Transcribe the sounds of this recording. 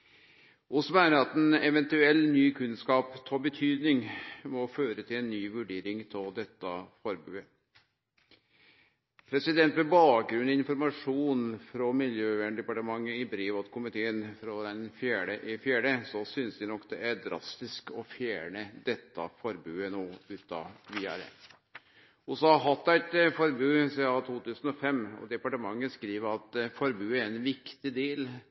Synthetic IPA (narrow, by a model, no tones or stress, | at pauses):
ʔʊsmæːnəɾɑt̪ɛnɛʋɛnt̪ʉɛlːnyːkʰʉnskɑːpt̪ʰɔbət̪ʰyːd̪nɪŋmɔføːɾət̪ʰɪlɛnːyːʋʉɖeːɾɪŋt̪ʰɔld̪ɛt̪ːəfɔɾbʉːə | pʰɾɛsɪd̪ɛnt̪ʋɛbɑːk̚ɡɾʉnːɔɪnfɔɾmɑʂuːnfɾɔmɪljøːʋæɳɖ̪ɛpɑʈəmɑŋːəɪbɾeːʋɔt̪kʰʊmɪt̪ʰeːənfɾɔd̪ɛnfjæːɖəʔɪfjæːɖəsɔsʏnsd̪ɪnɔkːd̪ɛʔæɾd̪ɾɑ̰st̪ɪskɔfjæːɳəd̪ɛt̪ːɑ̰fɔɾbʉːənoːʉːt̪ɑ̰ʋiːæ̰ɾə̰ | ʊsɑɑɦɑt̪ːæɪt̪fɔɾbʉːsɛɑt̪ʰuːt̪ʉːsənɔfɛmːɔ̰d̪ɛpɑʈəmɑŋːəskɾiːʋəɾɑt̪fɔɾbʉːæɾɛnʋɪkt̪ɪd̪eːl